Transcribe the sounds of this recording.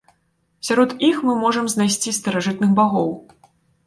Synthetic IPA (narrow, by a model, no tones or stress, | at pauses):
sʲaɾɔt̪ixmɨmɔʐɐmznajsʲt͡sʲist̪ɐɾaʐɨt̪̚nɨxbaɣɔw